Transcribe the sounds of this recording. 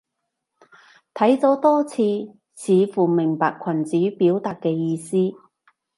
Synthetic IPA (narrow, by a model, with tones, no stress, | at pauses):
t̪ʰɐ˨˥jt͡sɔː˨˥t̪ɔː˥t͡sʰiː˧ | t͡sʰiː˨˧fuː˨˩mɪ˨˩ŋpaː˨˧kʷʰɐ˨˩nt͡siː˨˥piː˨˥wt̪aː˨t̚kːɛː˧jiː˧siː˥